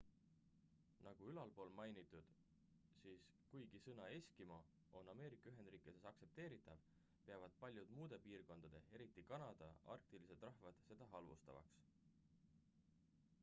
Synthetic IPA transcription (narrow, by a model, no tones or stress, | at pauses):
nɑɡ̥uylɑlpo̞ːlmɑjnit̪ːˑud̪̥ | siːs | kujɡ̥isɤnɑe̞sʲkimɑ | o̞nɑme̞ːɾikːˑɑyɦe̞nd̪̥riːkˑid̪̥esɑkse̞p̚t̪eːɾit̪ːˑɑv | pe̞ɑvɑd̪̥̚pɑlʲjud̪̥muːd̪̥e̞piːrko̞nd̪̥ɑd̪̥e̞̰eɾit̪ˑːikɑnɑd̪̥ɑ̰ʔɑ̰rk̚t̪ilise̞d̪̥rɑhvɑd̪̥se̞d̪̥ɑɦɑlvṵst̪ɑ̰vɑ̰ks